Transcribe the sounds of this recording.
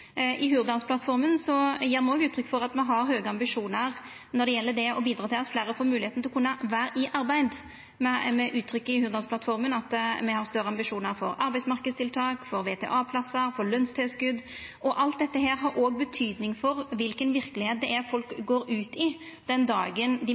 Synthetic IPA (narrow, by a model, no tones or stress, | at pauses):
ʔɪhʉːɾd̪ɑnspʰlɑt̪fɔɾmənsɔjiːɾmɛɔɡʉːt̪ʰɾʏkːfɔɾɑt̪mɛɦɑɾɦøːɡəɑmbɪʂuːnəɾ | nɔɖ̪ɛjɛlːəɖɛɔbiːd̪ɾɑːt̪ɪlɑt̪flæːɾəfoːɾmʉːlɪeːt̪nɪlɔkʰʉnːəʋæːɾʔɪʔɑɾbæɪd̪ | mɛmɛʔʉːt̪ʰːɾʏkːəɪhʉːɾd̪ɑnspʰlɑt̪fɔɾmənɑt̪mɛhɑɾst̪œɾəɑmbɪʂuːnəɾfɔ̰ɾɑɾbæɪdsmɑɾkəd̪st̪ɪlt̪ʰɑːkfɔɾʋeːt̪ʰɛ̰ːʔɑːpʰlɑsəɾfɔlœnst̪ʰɛːskʉd̪ːʔɔʔɑlt̪̚d̪ɛt̪ːəɦeːɾɦɑɾʔoːɡ̚bət̪ʰyːd̪nɪŋfɔɾʋɪlkənʋɪɾkəlɪheːt̪̚d̪ɛʔæɾfɔlkɡoːɾʉːt̪ɪ | d̪̥ɛnd̪ɑ̰ːɡənd̪ɪ